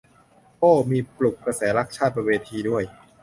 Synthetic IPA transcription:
poː˥˩miː˧plu˨˩kːɾa˧sɛː˩˦ɾa˦˥k̚t͡ɕʰaː˥˩t̪̚pa˧weː˧t̪ʰiː˧du˥˩əj

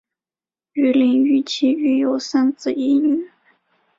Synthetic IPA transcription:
y˧˥˩li˧˥ŋy˥˩t͡ɕʰi˧˥y˧˥jo˨˩ʊsa˥nt͡sɹ̩˨˩i˧˥ny˨˩˦

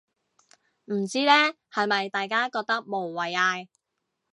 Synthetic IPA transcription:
m̩˨˩t͡siː˥lɛː˥ | hɐ˨jmɐ˨jt̪aː˨jkaː˥kɔː˧k̚t̪ɐ˥k̚mo˨˩wːɐ˨jaː˧j

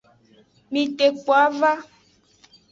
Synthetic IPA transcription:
mĩ˨t̪e˨k͡pɔ˨a˦va˦

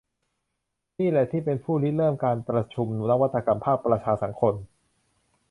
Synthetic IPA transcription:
niː˥˩lɛ˨˩t̪ʰiː˥˩pe˧npʰuː˥˩li˦˥lɤː˥˩mkaː˧npɾa˧t͡ɕʰu˧mna˦˥wa˦˥t̪ʰːa˧ka˧mpʰaː˥˩pːɾa˧t͡ɕʰaː˧sa˩˦ŋkʰo˧n

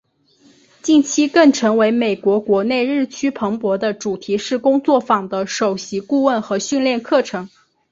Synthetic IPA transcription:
t͡ɕi˥˩nt͡ɕʰi˥kɤ˥˩ŋʈ͡ʂʰɤ˧˥ŋwe˧˥ɪme˨˩ɪkwɔ˧˥kwɔ˧˥ne˥˧ɪɻɻ̩˥˩t͡ɕʰy˥pʰɤ˧˥ŋpwɔ˧˥d̪ə˧ʈ͡ʂu˨˩t̪ʰi˧˥ʂɻ̩˥˩kʊ˥ŋt͡swɔ˥˩fɑ˨˩ŋd̪ə˦ʂo˨˩ʊɕi˧˥ku˥˧wə˥˩nxɤ˧˥ɕy˥˧nljɛ˥˧nkʰɤ˥˩ʈ͡ʂʰɤ˧˥ŋ

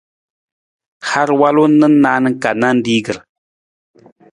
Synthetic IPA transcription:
ha˦ɾwa˦lo˦nɨ˦na˦nɨ˦ka˨na˦n̩˦di˦ɡɨ˨ɾ

